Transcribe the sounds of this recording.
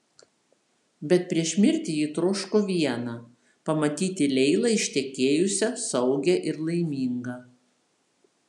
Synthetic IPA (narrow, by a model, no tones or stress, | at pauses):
bʲɛt̪̚pʲɾʲiɛʃʲmʲɪɾʲt̪ʲɪjiːt̪ɾʊʃkoːʋʲiɛnɐ | pɐmɐt̪ʲiːt̪ʲɪlʲɛɪlˠɐɪʃʲt̪ʲɛkʲeːjʊsʲɛsɒʊɡʲɛʔɪɾlˠɐɪmʲiːŋɡɐ